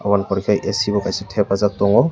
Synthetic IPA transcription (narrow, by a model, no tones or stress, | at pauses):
a̰wanpɔɹikʰajʔɛsibɔkajsɛtʰɛpazak̚tɔŋɔ